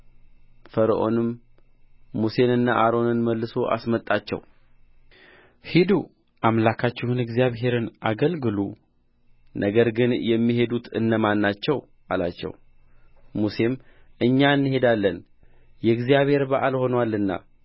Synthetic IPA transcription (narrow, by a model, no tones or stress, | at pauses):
fəɾʔo̞̰nɨmː | use̞nɨnːaʔaɾo̞nɨnməlːɨso̞ʔa̰smət̪ʼːat͡ʃːɛ̰w | hid̪u | ʔamlakʰat͡ʃːɪhunɨɡzijaβɦe̞ɾɨnʔaɡəlɡɨlu | nʔəɡəɾɡɨnjɛmːiɦe̞d̪ut̪ʰɨ̰nːəmanːat͡ʃːɛw | ʔala̰t͡ʃːɛ̰w | muse̞m | ɨɲːaɨnːɨɦe̞d̪alːən | jɛɨɡzijaβhe̞ɾbaʔalho̞nwalːɨnːa̰